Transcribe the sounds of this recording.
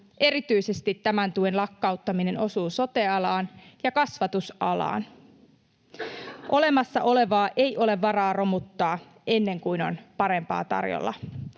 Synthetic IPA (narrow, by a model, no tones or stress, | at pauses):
ʔe̞ɾit̪yjse̞st̪it̪ːæmænt̪uenlɑkːɑut̪ːɑmine̞no̞suːso̞t̪eɑlɑːnjɑkɑsʋɑt̪usɑlɑ̰ːn | ʔo̞le̞mɑsːɑ̰ʔo̞le̞ʋɑːʔe̞jʔo̞le̞ʋːɑrɑːro̞mut̪ːɑː | ʔe̞nːe̞ŋkujno̞̰npɑɾe̞mpɑ̰ːt̪ɑ̰rjo̰lːɑ̰